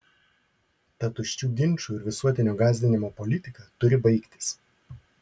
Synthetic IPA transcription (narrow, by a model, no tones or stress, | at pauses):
t̪ɐt̪ʊʃʲt͡ʃʲuːɡʲɪnʲˑt͡ʃuːɪɾʋʲɪsuɔt̪ʲɪnʲoːɡɑːzʲd̪ʲɪnʲɪmoːpɔlʲɪt̪ʲɪkɐt̪ʊɾʲɪbɐɪkt̪ʲɪ̥s